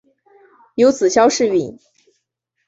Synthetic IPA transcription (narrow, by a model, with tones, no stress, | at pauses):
jo˧˥ʊt͡sɹ̩˨˩ɕjɑ˥ʊʂɻ̩˥˧i˨˩˦n